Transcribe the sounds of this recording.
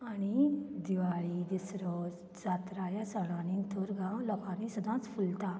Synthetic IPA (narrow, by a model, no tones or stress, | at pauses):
añid̪iʋaɭid̪isɾɔ | t͡sat̪ɾajasəɽ̃anĩnt̪ʰoɾɡãʋləkanĩsəd̪ʱãt͡sfʰult̪a